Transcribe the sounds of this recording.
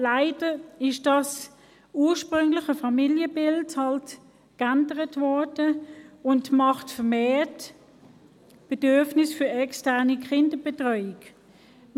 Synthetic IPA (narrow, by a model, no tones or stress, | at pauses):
laɪdəɪʃd̥ɑs | uːʃpʁʏŋlɪχəfɑmiljəbɪlthɑlt | kandəʁətvɔd̥əʊntmɑχtfəɐmeːt | b̥ɛdøɐfnɪsfʏɐɛkstɛɐnikχɪndəb̥etʁœʏɪk